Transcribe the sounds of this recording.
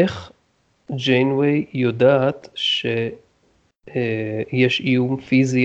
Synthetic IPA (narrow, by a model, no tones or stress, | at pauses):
eχ | d͡ʒejnwejjodaːtʃe | jeʃijumfizi